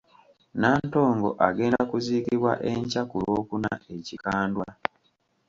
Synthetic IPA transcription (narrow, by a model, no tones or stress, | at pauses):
naːnto̞ːŋɡo̞̰ʔaɡe̞ːndakuziːkiβwa̰ʔeɲcakuloːkuna̰ʔe̞cikaːndwa